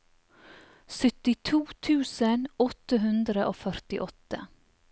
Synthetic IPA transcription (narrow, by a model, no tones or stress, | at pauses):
sœt̪ɪt̪ʰuːt̪ʰʉːsənɔt̪əɦʉnd̪ɾəʔoːfœɾt̪ɪʔɔt̪ə̰